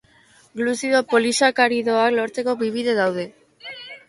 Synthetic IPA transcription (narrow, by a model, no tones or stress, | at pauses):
ɡlusiðo̞po̞lisakaɾiðo̞aklo̞ɾt͡se̞ko̞βiβ̞iðe̞ðawð̞e̞